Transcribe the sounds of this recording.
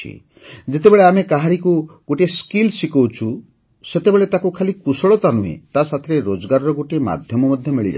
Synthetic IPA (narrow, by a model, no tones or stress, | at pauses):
ḭ | d͡ʒet̪ebeɭeamekaɦaɾikuɡoʈeskilsikowt͡ʃʰu | set̪ebeɭet̪akukʰalikusɔɭɔt̪anuḛt̪asat̪ʰɾeɾod͡ʒɔɡaɾɔɾɔɡoʈima̰d̪ʱjɔmɔmɔd̪ʱjɔmiɭid͡ʒa̰